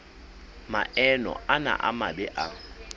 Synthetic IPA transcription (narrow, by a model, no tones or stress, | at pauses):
maʔɛnɔ̰ana̰ʔamabɛʔa